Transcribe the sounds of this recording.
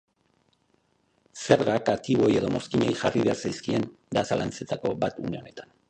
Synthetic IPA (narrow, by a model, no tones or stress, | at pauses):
se̞ɾɣakat̪iβo̞je̞ðo̞mo̞skiɲe̞jʝariβe̞aɾsajskie̞nd̪asalʔa̰nt͡se̞t̪ako̞bat̪ṵne̞o̞ne̞t̪ḁn